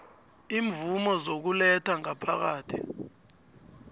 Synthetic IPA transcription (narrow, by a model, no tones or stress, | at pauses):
iːɱvumɔzok̬ulɛtʰaŋapʰak̬aːtʰi̥